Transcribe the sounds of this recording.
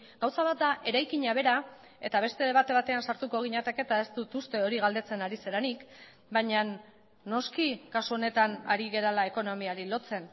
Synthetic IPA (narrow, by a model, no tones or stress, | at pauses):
ɡ̥awsaβat̪̚d̪aʔe̞ɾajkiɲaβ̞e̞ɾa | e̞t̪aβ̞e̞st̪e̞βat̪e̞β̞at̪e̞ansaɾt̪ukoɣ̞iɲat̪eke̞t̪ae̞st̪ut̪ust̪e̞o̞ɾiɣald̪e̞t͡se̞naɾise̞ɾanik | baɲanː | o̞skikasuo̞ne̞t̪ana̰ɾiɣe̞ɾalae̞ko̞no̞miaɾilo̞t͡se̞n